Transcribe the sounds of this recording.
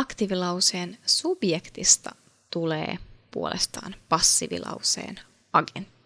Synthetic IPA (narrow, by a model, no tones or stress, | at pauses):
ɑkt̪iʋilɑwseːnsub̥jekt̪ist̪ɑ | t̪ulḛːpuo̞lʔḛst̪ɑ̰ːnpɑsːiʋḭlʔɑ̰wse̞̰ːn | ɑɡent̪ːi̥